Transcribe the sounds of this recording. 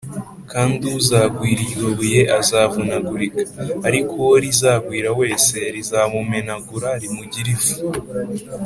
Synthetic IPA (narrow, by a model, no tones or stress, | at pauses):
kaːndiuzaːɡwiːɾijɡoβuje̞ʔazaːvunaɡuɾikḁːɾikʰowoɾizaːɡwiːɾawe̞ːse̞ɾizaːβume̞naɡuɾaɾimuɟiɾivu̥